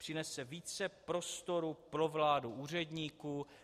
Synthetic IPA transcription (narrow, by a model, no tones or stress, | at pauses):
r̥ɪnɛsɛviːt͡sɛpɾo̞st̪o̞ɾupɾo̞vlaːduʔuːr̝ɛdɲiːkuː